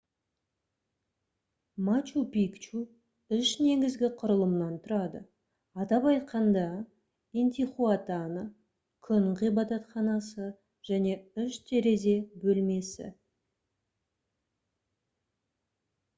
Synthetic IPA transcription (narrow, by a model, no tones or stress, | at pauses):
mat͡ʃupikt͡ʃu | ʏʃne̞ɡʲɪzɡʲɪqʰʊɾəlˠəmnɑnt̪ʰʊɾɑd̪ə | ɑt̪ɑpɑjt̪̚qɑnd̪ɑ | ent̪ʲiχuat̪ɑnə | kʲʰʏnqijbɑt̪ɑt̪χɑnɑsə | ʒ̥æne̞ʏʃt̪ʰe̞ɾe̞ze̞bɵlme̞sɪ̰